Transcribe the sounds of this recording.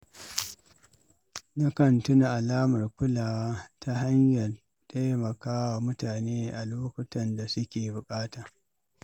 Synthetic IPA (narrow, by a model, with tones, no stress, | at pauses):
na˦kɐ˨ntʊ˦na˨ʔa˨laː˦mɐ˨rkʷʊ˦laː˨wa˦ta˦ɦa˦ɲjɐ˨l | tʼa˦jmɐ˨kaː˦wa˨mʊ˦taː˨neː˦ʔa˨loː˦kʷʊ˦tɐ˦nda˨sʊ˦kʲeː˨bʊ˨kʼaː˦taː˨